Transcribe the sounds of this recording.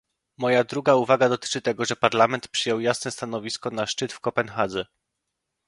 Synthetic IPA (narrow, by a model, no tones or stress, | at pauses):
mɔjad̪ɾuɡauvaɡad̪ɔt̪ɘ̥t͡ʂɘt̪ɛɡɔʐɛpaɾlamɛnt̪pʂɘjɔwjasnɛst̪anɔvʲiskɔnaʂt͡ʂɘt̪fkɔpɛnxad̪zɛ